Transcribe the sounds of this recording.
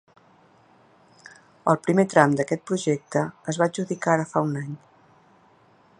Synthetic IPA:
əlˠpɾimet̪ɾamd̪əkɛt̪̚pɾuʒɛk̚t̪əːzβad͡ʒuðikaɾəfaunaɲ

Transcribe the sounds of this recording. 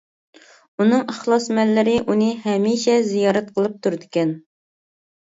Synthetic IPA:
unɨŋæχlˠɑsmɛlːɪɾɪʔunɨɦɛmiʃɛzijɑːɾɛt̪̚qʰəlˠɨp̚t̪ʰuɾd̪ɪkʲɛn

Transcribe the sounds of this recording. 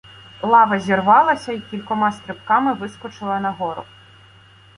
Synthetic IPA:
lˠɑʋɐzʲirʋɑlˠɐsʲɐikʲilʲkɔmɑst̪ɾɪpkɑmɪʋɪskɔt͡ʃɪlˠɐnɐɦɔɾʊ̰

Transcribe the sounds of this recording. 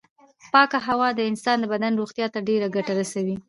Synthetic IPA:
pɑkaɦawɑd̪əɪnsɑnd̪əbad̪anɾoxt̪jɑt̪aɖeɾaɡaʈaɾasawi

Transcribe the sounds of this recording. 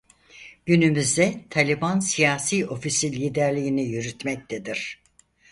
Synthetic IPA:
ɟ̥ynymyzd̪ɛt̪ʰalʲibansijaːsiːo̞fisilʲiːd̪æɾlʲijinijyɾyt̪mɛc̚t̪ʰed̪iɾ̥

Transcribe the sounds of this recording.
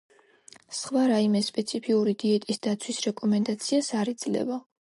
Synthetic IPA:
sχvaɾaimɛspʼɛt̪sʰipʰiuɾid̪iɛt̪ʼisd̪at̪sʰwisɾɛkʼɔmɛnd̪at̪sʰiasaɾɛd̪z̥lɛ̰va

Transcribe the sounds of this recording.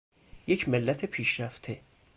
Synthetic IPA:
jecʰmelːæt̪ʰepʰiːʃɾæft̪ʰe

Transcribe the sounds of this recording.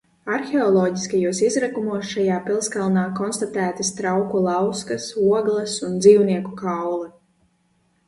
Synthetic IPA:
aɾxeɔlˠɔːɟiskajuɔsizɾakumuɔsʃajaːpilˠskalˠnaːkɔnst̪at̪æːt̪ast̪ɾawkulˠɑwskasuɔɡlˠɛsund̪ziːwniɛkukawlˠɛ

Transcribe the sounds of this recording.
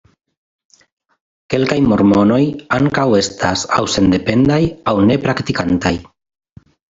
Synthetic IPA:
ke̞lkajmo̞ɾmo̞no̞jaŋkawe̞stʰasa̰wse̞nd̪e̞pe̞ndajawne̞pɾakt̪ikantaj

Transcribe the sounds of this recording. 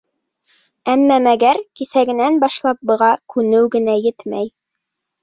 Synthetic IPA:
æmːæmæɡæɾkisæɡɘ̆nænbɑʃlˠɑp̚bɤ̆ʁɑkʰʉnɘwɡɘ̆næjɘt̪mæj

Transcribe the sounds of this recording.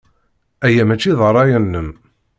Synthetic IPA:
æjæmæt͡ʃːiðˤərˤːɑjænːəm

